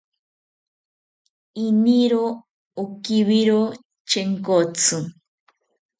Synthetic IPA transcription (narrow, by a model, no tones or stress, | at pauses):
iniɾo | okiβiɾo | t͡ʃeŋkot͡sʰɨ